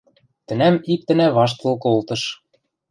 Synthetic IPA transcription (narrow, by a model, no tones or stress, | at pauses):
t̪ɘ̆næmik̚t̪ɘ̆næβɑʃ̬t̪ɤ̆lˠkɤolˠt̪ɤ̆ʃ